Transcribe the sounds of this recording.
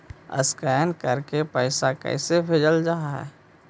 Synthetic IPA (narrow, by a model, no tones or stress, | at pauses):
ə̰skɛːnkəɾkepəːɪsakɛ̰ɪsebʱeːd͡ʒəld͡ʒaːɦaɦɛ̰ː